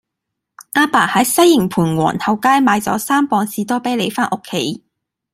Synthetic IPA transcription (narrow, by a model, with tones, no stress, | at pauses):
ʔaː˧paː˨˩hɐ˨˥jsɐ˥jːɪ˨˩ŋpʰuː˨˩nŋwɔ̰ː˨˩nhɐ˨˧wkaː˥jmaː˨˧jt͡sɔ̰ː˨˥saː˥mpɔː˨˧ŋsiː˨˧t̪ɔː˥peː˥jle˨˧jfaː˥nʔʊ˨˥kʰːe˨˥j